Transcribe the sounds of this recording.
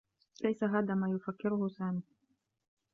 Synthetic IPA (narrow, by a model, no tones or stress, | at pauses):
lʔajsaɦaːðaːmaːjʊfakːɪɾʊhʊsaːmiː